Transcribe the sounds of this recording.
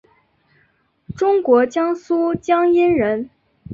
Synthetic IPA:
ʈ͡ʂʊ˥ŋkwɔ˧˥t͡ɕjɑ˥ŋsu˥t͡ɕjɑ˥ŋi˥nɻə˧˥n

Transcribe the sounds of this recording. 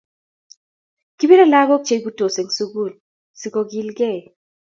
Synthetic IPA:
ki˦bi˦ɾa˦la˦ɡo˦k̚t͡ʃe˨˦bu˦to˨se˨ŋsu˦ɡu˦˨l | si˨kɔ˨ɡi˦lɡɛ˦˨

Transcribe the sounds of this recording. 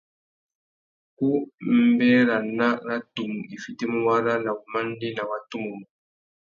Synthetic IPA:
ku˦m̩˦bɛ˦ɾa˨na˦ɾa˦tu˨m˨i˨fi˦te˦mu˦wa˦ɾa˦la˨u˨ma˦n˦di˦na˨wa˨tu˦mu˨mu˨

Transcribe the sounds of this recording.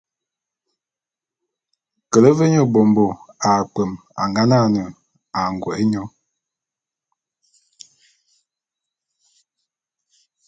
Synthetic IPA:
kə˨lə˦ve˦ɲɔ˦bo˨mbo˨a˨k͡pə˨m | a̰˨ŋɡa˦na˦˨nə˨ | a˨ŋ˨ɡwɔ̰˨e˦ɲɔ˦

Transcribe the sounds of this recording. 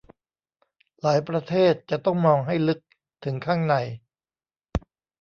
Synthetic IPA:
laː˩˦jpɾa˧t̪ʰeː˥˩t̪̚t͡ɕa˨˩t̪ɔ˥˩ŋmɔː˧ŋɦa˥˩jlɯ˦˥k̚ | t̪ʰɯ˩˦ŋkʰaː˥˩ŋna˧j

